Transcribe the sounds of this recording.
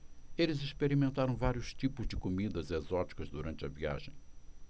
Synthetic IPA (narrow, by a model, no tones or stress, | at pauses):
elɪziʃpeɾimẽnt̪aɾɐ̃w̃vaɾjuʃt̪ipʊzd̪ɪkumid̪ɐzezɔt̪i̥kɐzd̪uɾɐ̃nt̪ɐvia̰ʒḛ̃j̃